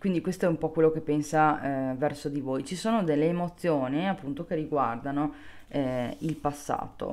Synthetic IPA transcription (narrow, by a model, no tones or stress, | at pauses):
kwind̪ikwest̪oɛumpɔkwelːokepːensavɛrsod̪ivojt͡ʃisoːnod̪elːeːmot̪sːjoːniapːunt̪okerːiɡward̪ano | ɛilpasːa̰ːt̪o̰